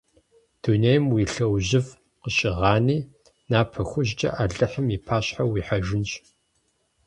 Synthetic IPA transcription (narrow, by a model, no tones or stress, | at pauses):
d̥unejmwiɬɐwʑɪv | qəɕʼɪʁɑːniː | naːpʰɐxʷʊʑt͡ʃʼɐ̰ʔaːɮɨħəmipʰaːɕħawiːħɐʒɪnt͡ʃʼ